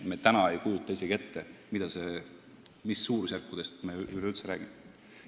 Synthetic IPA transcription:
met̪ænɑe̞jkuːlut̪ˑːɑiseɡ̥e̞t̪ːemid̪̥ɑse̞ | misːuːɾusjærkːud̪̥e̞st̪meyleylt̪seɾæ̰ːɡ̥ime

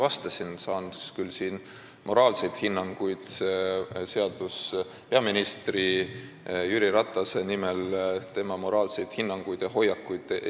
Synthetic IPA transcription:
vɑst̪ɑsinsɑːnd̪uskylːsiːn | mʔo̞ɾɑːlse̞jt̪hinːɑŋɡ̥ujd̪̥sese̞ɑd̪̥us | pe̞ɑminist̪ri | jyɾiɾɑt̪ːˑɑse̞nimelt̪e̞mɑmo̞ɾɑːlse̞jd̪̥hinːɑŋɡ̥ujd̪̥ɑɦo̞jɑkːujd̪̥

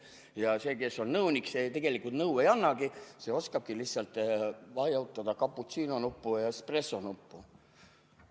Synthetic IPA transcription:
jɑse̞ːke̞sːo̞nnɤwnikset̪e̞ɡ̥e̞likult̪nɤwe̞jɑnːɑɡise̞ːo̞skɑb̥̚kilihsːɑlt̪ˑvɑjɑwt̪ːˑɑd̪̥ɑkɑpːˑut̪siːnonupːujɑspresːo̞nupːu

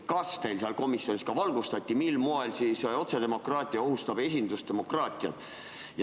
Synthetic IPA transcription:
kɑst̪e̞jlsɑlko̞misːio̞nʲiskɑvɑlɡust̪ɑt̪ʲːimilmoelsiːso̞t̪se̞d̪e̞mo̞kˑrɑːt̪ʲˑiɑo̞ɦust̪ɑb̥e̞s̬ʲind̪ust̪e̞mo̞krɑːt̪ʲˑiɑ̰d̪̥ | j

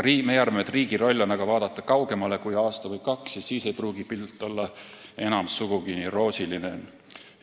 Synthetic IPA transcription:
iːmejɑrmmet̪riːɡiɾo̞lʲːo̞nɑɡɑvɑːd̪̥ɑt̪ːˑɑkɑwɡ̥e̞mɑle̞kujɑːst̪ɑvɯjkɑksːissiːse̞jpruːɡ̥ipilt̪ːˑo̞lːɑ | e̞nɑmsuɡ̥uɡ̥iniro̞ːsiline

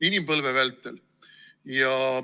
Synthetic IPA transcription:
inʲimpɤlvɛvelt̪ːˑel | jɑ

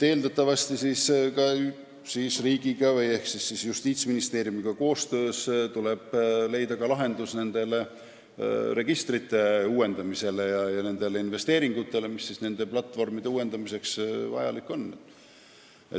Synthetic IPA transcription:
t̪e̞ːld̪ɑt̪ːˑɑvɑst̪isiːskɑ | siːsriːɡ̥iɡ̥ɑvɤje̞hksisːisjust̪iːt̪sminist̪eːɾjumiɡ̥ɑko̞ːst̪øːst̪ule̞b̥le̞jd̪ɑkɑlɑɦe̞nd̪usne̞nd̪̥e̞le̞ | re̞ɡ̥ist̪rit̪ːˑe̞uːe̞nd̪ɑmise̞le̞jɑjɑne̞nd̪̥e̞le̞inve̞st̪e̞ːɾiŋɡ̥ut̪ːˑe̞le̞misːisne̞nd̪e̞plɑt̪ːˑvo̞rmid̪̥e̞uːe̞nd̪ɑmise̞ksvɑ̰jɑ̰likːo̞nː | ḛ

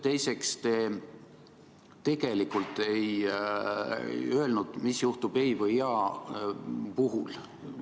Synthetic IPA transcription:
t̪e̞jse̞kst̪e̞ː | t̪e̞ɡ̥e̞likːˑult̪ːˑe̞j | ø̞elnud̪̥misjuht̪ub̥ejvɤjɑː | puɦul

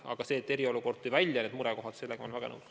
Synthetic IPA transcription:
ɑ̰ɡ̥ɑse̞ːt̪ːe̞ɾio̞luko̞rt̪t̪ːujvælʲjɑne̞ːd̪muɾɛko̞ɦɑd̪̥se̞lːeɡemonvæɡɑnɤ̰uk

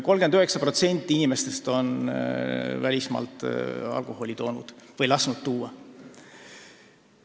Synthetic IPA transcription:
ko̞lɡ̥e̞nd̪yɦe̞ksɑpro̞t̪se̞nʲt̪ːˑiinime̞st̪e̞st̪o̞n | vælʲismɑ̰ːlt̪ˑɑ̰lko̞ho̞lʲit̪o̞ːnṵd̪̥vɤjlɑsnut̪̚t̪uːɑ

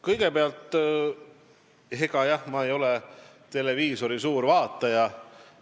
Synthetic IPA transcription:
kɤjɡ̥e̞peɑlt̪ːˑ | ɦe̞ɡ̥ɑjɑhmɑe̞jo̞lɛ | t̪e̞le̞viːso̞ɾisuːɾvɑːt̪ˑːɑjɑ

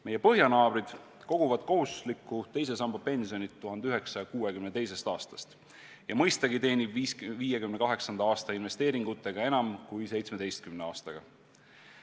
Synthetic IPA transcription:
mejːe̞pɤ̞ɦjɑnɑːb̥ɾid̪̥ | ko̞ɡ̥uvɑd̪̥koɦuslikːˑut̪e̞js̬e̞sɑmbɑpe̞nsio̞nit̪ːuɦɑnd̪̥yɦe̞ksɑjɑkuːekymnet̪e̞jse̞st̪ɑːst̪ɑ̥st̪ | jɑmɤ̞jst̪ɑɡit̪e̞ːnʲibisviːjekymnekɑɦe̞ksɑnd̪ɑɑːst̪ɑinve̞st̪e̞ːɾiŋɡ̥ut̪ːˑe̞ɡ̥ɑe̞nɑmkujse̞jt̪sme̞d̪e̞jst̪̚kymneɑːst̪ɑɡ̥ɑ̰

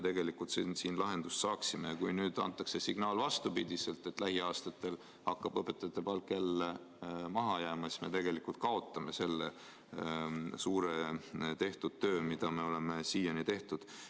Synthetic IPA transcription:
et̪e̞ɡ̥e̞likːˑult̪sinsiːnlɑɦe̞nd̪̥ust̪sɑːksime̞jɑkujnyːd̪̥ɑ̰nt̪ːˑɑkse̞siɡ̥nɑːlvɑst̪upid̪̥ʲise̞lt̪ːˑe̞t̪ːˑlæɦiɑːst̪ɑt̪ːˑe̞l | hɑkːˑɑb̥ɤpːˑe̞t̪ːˑɑt̪ːˑepɑlkːˑelːe | mɑɦɑjæːmɑesme̞̰t̪e̞ɡ̥e̞likult̪̚kɑo̞t̪ːˑɑme̞se̞lːḛ | suːɾet̪e̞ht̪ud̪̚t̪ːø̞ːmid̪ɑme̞o̞le̞me̞siːjɑnit̪e̞ht̪ud̪̥

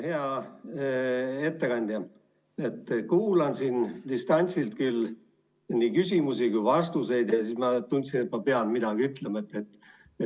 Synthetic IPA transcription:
heɑ | e̞t̪ːekɑnʲd̪̥jɑ | e̞t̪ːkuːlɑnsind̪̥ist̪ɑnʲt̪silt̪̚kyl | niːkysʲimusikujvɑst̪use̞jd̪jɑsiːsmɑt̪unʲt̪sinet̪mɑpeɑlmid̪ɑɡ̥iyt̪lemɑet̪ːˑet̪ːˑ

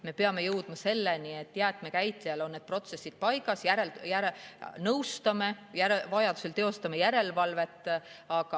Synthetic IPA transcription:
me̞pe̞ɑme̞jɤwd̪̥mɑse̞lːenie̞t̪ːjæːt̪me̞kæjt̪liɑlo̞nːe̞d̪̥̚pro̞t̪se̞sːid̪̥̚pɑjɡ̥ɑsjæɾeljæɾenɤwst̪ɑme̞jæɾevɑjɑd̪use̞lt̪e̞o̞st̪ɑmejæɾe̞lvɑlve̞t̪ːˑɑɡ̥ɑ

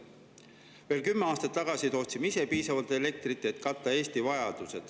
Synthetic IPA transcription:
ve̞ːlkymːeɑːst̪ɑt̪ːɑɡ̥ɑsit̪o̞ːt̪simise̞piːsɑvɑlt̪e̞le̞k̚t̪rit̪ːˑeet̪kɑt̪ːˑɑe̞ːst̪ivɑjɑd̪̥use̞d̪̥

